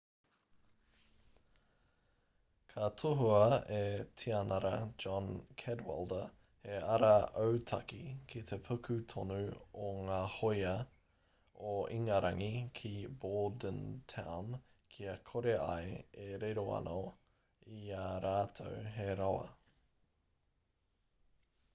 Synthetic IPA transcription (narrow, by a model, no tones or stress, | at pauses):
kʰɐt̪ʰoɦuɐet̪ʰiɐnɐɾɐ̰d͡ʒɔnkʰɛdwɛ̰lˠdə | heɐɾɐowt̪ʰɐkikʰit̪ʰepʰukʰʉt̪ʰonuoŋaːhojɐ | oiŋɐɾɐŋikʰiboːldəntʰa̰wn | kʰiɐkʰoɾea̰jeɾeɾoɐ̰nʔo | iaːɾaːt̪ʰowɦeɾawɐ̰